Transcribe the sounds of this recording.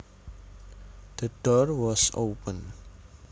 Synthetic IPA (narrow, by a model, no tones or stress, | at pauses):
d̪̥əd̥ɔɹwɔso̰pə̃n